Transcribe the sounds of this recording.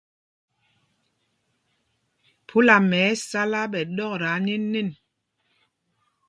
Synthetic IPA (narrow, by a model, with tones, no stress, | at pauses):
pʰu˨˦la˨mɛ˨˦sa˦la˦ɓɛ˨ɗɔ˦kɾa˨˦ni˦nːe˦˨n